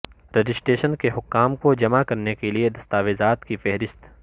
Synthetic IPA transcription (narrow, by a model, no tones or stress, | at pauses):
ɾed͡ʒɪsʈeːʃənkeɦʊkːaːmkod͡ʒɐmakɐɾnekelied̪ɐst̪aːʋezaːt̪kifɛɦɾɪst̪